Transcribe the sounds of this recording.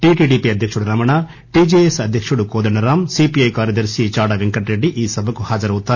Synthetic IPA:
ʈiʈiʈiːpiɐd̪ʱjɐkʂɐɽuɾɐmɐɳa | ʈid͡ʒeesɐd̪ʱjɐkʂɐɽukoːd̪ɐnɐɾaːmsipiɐjkaːɾjɐd̪ɐɾsit͡ʃaːɽɐʋeŋkɐʈɾeɖiʔiːsɐbʱɐkuhaːd͡ʒɐɾɐut̪ːa

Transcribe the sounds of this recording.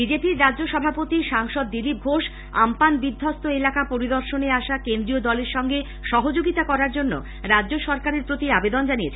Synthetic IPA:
bid͡ʑepiɾːadd͡ʑoʃɔbʱapot̪iʃaŋʃɔd̪ːilip̚ɡʱoʃ | a̰mpanbid̪ʱːɔst̪oelakapoɾid̪ɔɾʃoneaʃakend̪ɾiod̪ɔleɾʃɔŋɡe | ʃɔɦod͡ʑoɡit̪akɔɾaɾd͡ʑonːo̰ | ɾadːʑoʃɔɾkaɾeɾpɾot̪iabed̪ond͡ʑaniet͡ɕʰ

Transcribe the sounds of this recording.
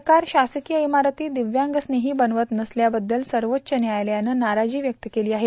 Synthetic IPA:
kaɾɕasəkijəimaɾt̪iːd̪iʋjãŋɡəsneɦiːbənʋət̪nəsljabəd̪ːəlsəɾʋotːɕənjajljanːənaɾad͡ʑiːʋjək̚t̪əkeliːaɦe

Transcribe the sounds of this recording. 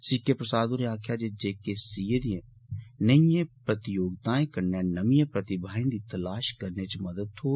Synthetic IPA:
sikepɾəsaːd̪oɾeaːkʰjaːd͡ʒeːd͡ʒeːkesiːed̪ijẽː | nəjẽpɾət̪ɪjoːɡ̚t̪ãːẽːkəɾnaːnəmiẽːpɾət̪ɪbʱaːĩnd̪iːt̪əlaːʃkəɾneːt͡ʃməd̪əd̪hoː

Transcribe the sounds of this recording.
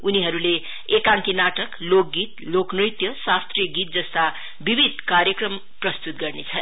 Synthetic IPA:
uniɦʌɾule | ekaŋkinaʈʌklok̚ɡit̪̚loknijt̪jʌsast̪rijʌɡit̪̚d͡zʌst̪a | bibʱid̪̚ʱkaɾjʌkrʌm | prʌst̪ut̪̚ɡʌrnet͡sʰʌ

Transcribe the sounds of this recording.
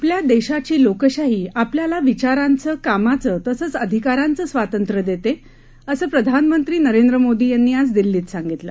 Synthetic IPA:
apljad̪eɕat͡ɕiːlokəɕaɦiːapljalaʋit͡ɕaɾãnt͡səːkamat͡sət̪əsəːt͡səd̪ʱikaɾant͡səːsʋat̪ənt̪ɾəd̪et̪e | əsəːpɾəd̪ʱanmənt̪ɾiːnəɾend̪ɾəmod̪iːjanːiːat͡sd̪ilːiːt̪sãŋɡit̪lə̰

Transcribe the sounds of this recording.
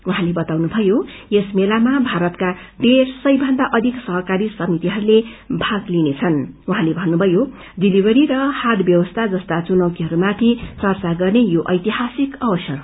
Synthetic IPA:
uɦãlebʌt̪awnubʱʌjojesmelamabʱaɾʌt̪ka | ɖeɾsʌjbʱʌnd̪aʔʌd̪ʱiksʌɦʌkaɾisʌmit̪iɦʌɾulebʱaɡlinet͡sʰʌnuɦãlebʱʌnːubʱʌjo | ɖilibʌɾiɾʌhad̪bjʌwʌst̪ʰad͡zʌst̪at͡sunʌwt̪iɦʌɾumat̪ʰit͡sʌrt͡saɡʌrnejoʔʌjt̪iɦasikʌbʌsjʌr

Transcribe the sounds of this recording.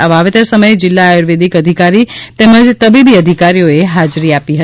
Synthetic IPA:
aʋaʋet̪əɾsəməjd͡ʒɪlːaːjoɾʋed̪ʱikəd̪ʱikaɾit̪eməd͡ʒt̪əbibiəd̪ʱikaɾijoeɦad͡ʒɾiapiɦə

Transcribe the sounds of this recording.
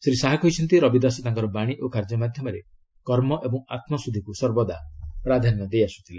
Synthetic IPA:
sɾisaɦakɔjt͡ʃʰɔnt̪iɾɔbid̪asɔt̪aŋkɔɾɔbaɽ̃iʔokaɾd͡ʒɔmad̪ʱjɔmɔɾe | kɔɾmɔʔebɔ̃ŋ̃at̪mɔsud̪ʱikusɔɾbɔd̪apɾad̪ʱanːɔd̪ejasu̥t̪ʰili

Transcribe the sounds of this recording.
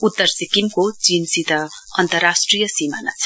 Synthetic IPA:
ut̪ːʌrsikimkod͡zinsit̪ʌ | ʌnt̪ʌrasʈrijʌsimana̰t͡sʰʌ

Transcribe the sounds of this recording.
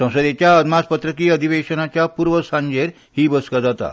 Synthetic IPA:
sə̃w̃səd̪et͡ɕjaəd̪maspət̪ɾəkiːəd̪ʱiʋeɕənat͡ɕjapuɾʋəsãɲd͡ʑeɾ | hiːbəskad͡zat̪a̰

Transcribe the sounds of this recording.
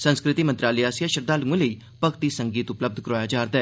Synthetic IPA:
sə̃nskɾɪt̪iːmə̃nt̪ɾaːliaːsijaːʃəɾd̪aːlũə̃ləiː | pəkt̪iːsəŋɡiːt̪ʊpləb̚d̪ʱkəɾaːjaːd͡ʒaːɾd̪aː

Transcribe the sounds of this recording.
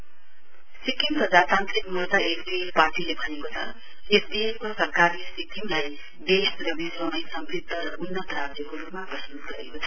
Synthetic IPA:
sikiŋpʌd͡zasant̪ɾikmult̪aesbielparʈilebʱʌnekot͡sʰʌ̰ | esd̪iekosʌrkarisikiŋlaj | d̪esrʌbizbʌmʌjsʌmbrit̪ːʌɾʌʔunːʌt̪ɾad͡zjʌkorupmabʌst̪uut̪ɡʌɾekot͡sʰʌ̥

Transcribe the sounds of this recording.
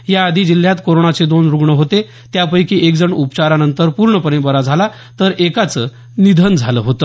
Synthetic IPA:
jaəd̪ʱiːd͡ʑil̤ːjat̪koɾoɳat͡sed̪onɾuɡɳəɦot̪e | t̪japəjkiːʔekd͡zəɳupə̥t͡ɕaɾanənt̪əɾpuɾɳəpənebəɾad͡zʱala | t̪əɾekat͡səː | nid̪ʱənd͡zʱaləɦot̪ə

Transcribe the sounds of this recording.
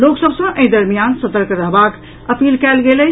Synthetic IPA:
loksəbsə̃ʔəĩd̪əɾmijansət̪əɾkɾəɦbak | əpilkalɡelə

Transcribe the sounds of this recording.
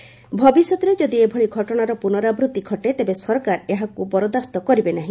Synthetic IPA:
bʱɔbisjɔt̪ɔɾed͡ʒɔd̪iebʱɔɭiɡʱɔʈɔɽ̃aɾɔpunɔɾabɾut̪iɡʱɔʈet̪ebesɔɾkaɾeɦakubɔɾod̪ast̪ɔkɔɾibenaɦĩ

